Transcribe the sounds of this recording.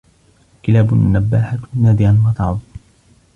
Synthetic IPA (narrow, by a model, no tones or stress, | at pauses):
kɪlaːbʊnːabːaːħanaːd̪ɪʕanwɑt̪ɑʕðˤ